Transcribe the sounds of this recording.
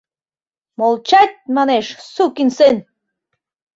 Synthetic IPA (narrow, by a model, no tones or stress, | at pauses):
molˠt͡ɕɑt̪̚ʲmɑneʃsukinsen